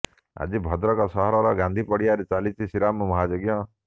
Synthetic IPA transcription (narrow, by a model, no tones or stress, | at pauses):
a̰d͡ʒibʱɔd̪ɾɔkɔsɔɦɔɾɔɾɔɡãnd̪ʱipɔɽijaɾet͡ʃalit͡ʃʰisiɾammɔɦad͡ʒoɡjɔ